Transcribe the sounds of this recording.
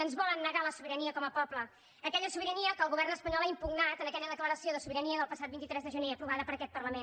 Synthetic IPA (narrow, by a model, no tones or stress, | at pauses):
ənzβɔlˠənːəɣaləsuβiɾəniəkɔməpɔpləː | kɛʎəsuβiɾəniəkəlˠɣuβɛrnəspəɲɔlaimpuɡnat̪ənəkɛʎəðəkləɾəsioðəsuβiɾəniəðəlˠpəsat̪̚bint̪it̪ɾɛzðəʒəneəpɾuβ̞aðəpəɾəkɛt̪̚pərləmen